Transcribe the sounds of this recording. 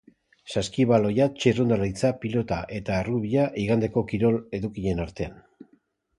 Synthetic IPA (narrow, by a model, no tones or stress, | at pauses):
saskiβalo̞jat͡ʃerund̪aɾajt͡sapilo̞t̪aʔe̞t̪aːruβiaʔiɣand̪e̞ko̞kiɾo̞le̞ðukiʎe̞naɾt̪e̞an